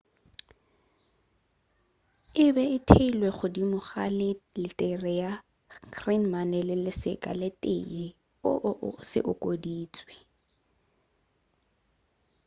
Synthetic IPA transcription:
ɪbɛɪtʰeilweχʊdimʊχa̰lɪlɪtʼɛrɛja | kʰrinmanɛlɪlɪsɪ̰kʼa̰lɪtʼḛi | ʊ̰ʔsɪ̰ʔʊkʼodiːt͡sʼwɛ

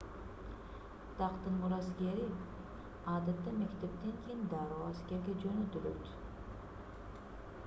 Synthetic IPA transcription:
t̪ʰɑqt̪ɯnmuɾaskʲe̞ɾi | ɑd̪at̪ːame̞kt̪e̞p̚t̪eŋkʲʰejind̪aɾoːaskʲe̞ɾɡʲed͡ʒønøt̪ylø̰t̪

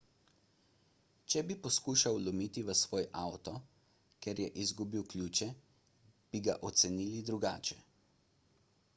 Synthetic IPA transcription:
t͡ʃɛbipɔskuːʃawlɔmiːt̪iʋəsʋoːjʔawt̪ɔ | kɛɾjɛʔizɡubiwklʲuːt͡ʃɛ | b̥iɡa̰ʔɔt̪sɛniːlid̪ɾuɡaːt͡ʃɛ

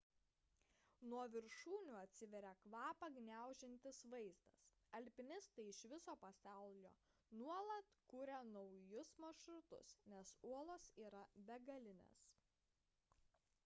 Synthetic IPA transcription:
nuɔʋʲɪɾʃuːnʲʊɐt̪ʲsʲɪʋʲɛɾʲɛkʋɑːpɐɡnʲæˑʊʒʲɪnʲt̪ʲɪsʋɐɪzd̪ɐ̰s | ɐlʲpʲɪnʲɪst̪ɐɪɪʃʋʲɪsoːpɐsɑˑʊlʲo̰ː | nuɔlˠɐt̪kuːɾʲɛnɒʊjʊsmɐʃɾʊt̪ʊ̰snʲɛsuɔlˠoːsiːɾɐbʲɛɡɐlʲɪnʲḛːs

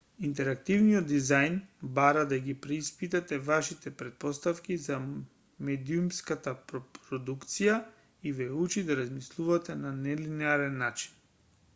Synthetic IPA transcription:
int̪ɛɾak̚t̪ivnijɔd̪ːizajnbaɾad̪aɡipɾɛispit̪at̪ɛvaʃit̪ɛpɾɛt̪̚pɔst̪afkiza | mɛd̪iumskat̪apɾɔpɾɔd̪ukt̪sija | ivɛut͡ʃid̪aɾazmislˠuvat̪ɛnanɛlinɛaɾɛnːat͡ʃi̥n

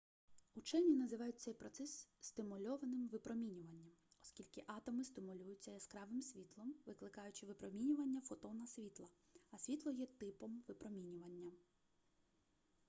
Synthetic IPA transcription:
ut͡ʃɛnʲinɐzɪʋɑjʊt̚ʲt̪sɛjpɾɔt̪sɛssʲt̪ɪmʊlʲɔʋɐnɪmʋɪpɾɔmʲinʲʊʋɐnʲːɐmɔskʲilʲkɪʔɑt̪ɔmɪst̪ɪmʊlʲujʊtʲt͡sʲːɐjɐskɾɑʋɪmsʲʋʲit̪lˠɔmʋɪklˠɪkɑjʊt͡ʃɪʋɪpɾɔmʲinʲʊʋɐnʲːɐfɔt̪ɔwnɐsʲʋʲit̪lˠɐ | ɐsʲʋʲit̪lˠɔjɛt̪ɪpɔmʋɪpɾɔmʲinʲʊʋɐnʲːɐ

